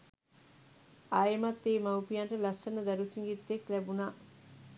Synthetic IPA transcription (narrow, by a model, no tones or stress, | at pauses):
ajmat̪ːeːmawpijaɳʈəlɐsənəd̪ɐɾusiŋɡit̪ːeklæbuna